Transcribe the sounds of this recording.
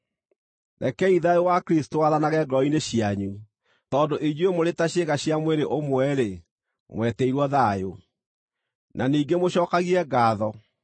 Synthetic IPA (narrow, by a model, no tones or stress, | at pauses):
nɛkɛiðaowakɾistowaðanaɣɛɡɔineɕiaɲu | tɔːndoʔid͡ʑwemoɾetaɕeɣaɕiamweɾeʔomwɛɾe | mwɛtɛiɾwɔðajo | nʔaniːɡemoɕɔːkaɣiɛɡaːðɔ